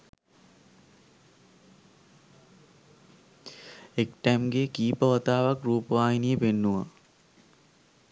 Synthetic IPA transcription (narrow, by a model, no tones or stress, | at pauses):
ekʈæmɡekiːpəʋɐt̪aːʋakruːpəʋaːjinijəpenːuʋa